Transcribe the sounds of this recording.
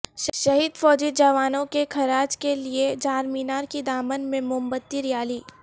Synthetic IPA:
ʃʃɐɦid̪fɔːd͡ʒid͡ʒɐʋaːnõkekʰɐɾaːd͡ʒkelied͡ʒaːɾmiːnaːɾkid̪aːmənmẽmʊmbət̪ːiɾɪjaːliː

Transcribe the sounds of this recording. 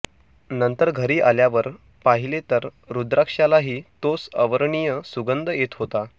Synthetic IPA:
nənt̪əɾɡʱəɾiːʔaljaʋəɾ | paɦilet̪əɾ | ɾud̪ɾakʂalaɦiːt̪osəʋəɾɳijəsuɡənd̪ʱəjet̪ɦot̪a

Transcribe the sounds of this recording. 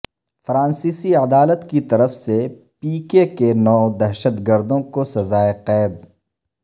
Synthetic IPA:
fɾãːnsiːsiɐd̪aːlət̪kit̪ɐɾəfse | piːkekenɔːd̪ɐɾʃət̪ɡəɾd̪õkosɐzaːeqɛːd̪

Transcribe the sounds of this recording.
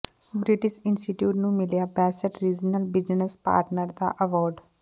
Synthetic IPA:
bɾɪʈɪʃɪ̃nsʈɪʈjuːʈnũːmɪlijabɛːsəʈɾiːd͡ʒnəlbɪd͡ʒnəspa̰ːɾʈnəɾd̪a̰ʔəʋɔːɾɖ

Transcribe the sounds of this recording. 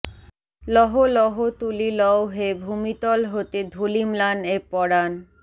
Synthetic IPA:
lɔɦolɔɦot̪ulilɔwɦebʱumit̪ɔlɦot̪ed̪ʱulimlanepɔɽan

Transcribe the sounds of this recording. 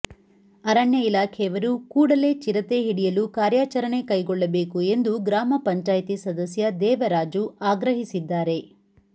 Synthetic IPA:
ɐɾɐɳjɐilaːkʰɛjɐʋɐɾukuːɽɐle̞ːt͡ʃiɾɐt̪e̞ɦiɽijɐlukaːɾjaːt͡ʃɐɾɐɳe̞kɐjɡɔɭːɐbe̞ːkue̞nd̪uɡɾaːmɐpɐɲt͡ʃaːjt̪isɐd̪ɐsjɐd̪ɛːʋɐɾaːd͡ʒuaːɡɾɐɦisid̪ːaːɾe̞

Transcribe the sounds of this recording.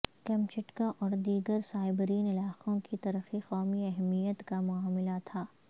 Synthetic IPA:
kɛ̃mt͡ʃɪʈkãʔɔːɾd̪iːɡəɾsaːɪbəɾiːnɪlaːqõkit̪ɐɾəxiqɔːmiɛɦmijət̪kamʊaːmɪlat̪ʰaː

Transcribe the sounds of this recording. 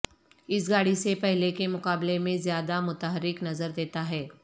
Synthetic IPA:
ɪsɡaːɽisepɛɦlekemʊkaːblemẽzjaːd̪amʊt̪əɦəɾɪknɐzəɾd̪eːt̪aɦɛː

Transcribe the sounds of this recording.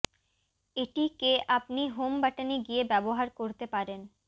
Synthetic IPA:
eʈikeʔapniɦombaʈaniɡijebɛboɦaɾkoɾt̪epaɾen

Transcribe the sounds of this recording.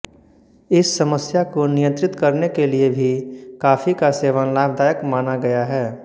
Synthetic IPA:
ɪsːəməsjakonɪjə̃nt̪ɾɪt̪kɐɾnekeliebʱikaːfikaseːʋənlaːbd̪aːjəkmaːnaɡɐjaɦɛː

